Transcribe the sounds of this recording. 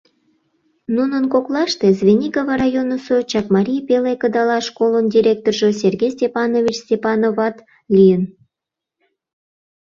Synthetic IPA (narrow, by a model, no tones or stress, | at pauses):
nunənkoklɑʃt̪ezβʲenʲikovɑɾɑjonəsot͡ɕɑkmɑɾʲijpelekəd̪ɑlɑʃkolənd̪ʲiɾʲek̚t̪orʒəs̬ʲerɡʲejsʲtʲepɑnovʲit͡ɕstʲepɑnovɑt̪ | lʲijən